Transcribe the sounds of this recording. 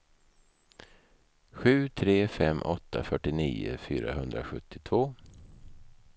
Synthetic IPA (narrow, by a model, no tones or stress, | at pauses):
ɧʉ̟ːt̪ʰɾeːfɛmːʔɔt̪ʰːafœʈːɪniːə̰fyːɾa̰ɦɵnd̪ɾaɧɵt̪ːɪt̪ʰvoː